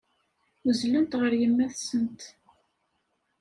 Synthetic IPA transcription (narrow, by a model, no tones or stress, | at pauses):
əzlənt̪ʁəɾjəmːæθsənt̪